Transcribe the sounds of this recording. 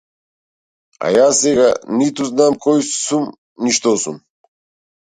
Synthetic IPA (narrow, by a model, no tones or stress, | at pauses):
a̰jasɛɡanit̪uznamkʰɔjsum | niʃt̪ɔsṵm